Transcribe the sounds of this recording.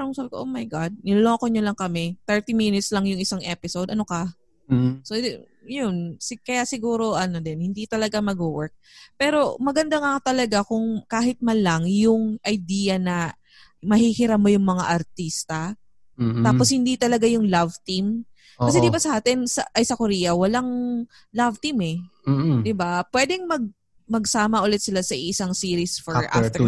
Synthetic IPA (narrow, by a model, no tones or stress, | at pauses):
aŋsɐbkoʔomɐjɡad̪̚nɪloloŋkoɲolɐŋkɐmɛt̪ɛɹt̪iminɪt̪slɐŋjʊŋɪsaŋʔɛpɪsowd̪ʔɐno̞kɐ | so | jonsɪkɐjasɪɡuːɾo̞ʔɐnod̪ɛnhɪnd̪it̪ɐlɐɡamɐɡʊwɛɹk̚ | pɛːɾo̞mɐɡɐnd̪aŋat̪ɐlɐɡakʊŋkaːɦɪt̪̚mɐnlaŋjʊŋʔɐjd̪iːjɐnɐ | mɐhihɪɾap̚mo̞jʊŋmɐŋa̰ʔɐɾt̪ist̪ɐ | t̪aːposhɪnd̪it̪ɐlɐɡajʊŋlavt̪im | kːɐsɛd̪ɪbasɐʔaːt̪ɪnsɐʔɐjsɐkoɾiːjɐwɐlaŋ | lavt̪imɛd̪ɪbapwɛd̪ɛŋmɐɡ̚ | mɐɡsaːmɐʔʊlɛt̪̚sɪlasɐʔisaŋsiːɾisfɛʔa̰f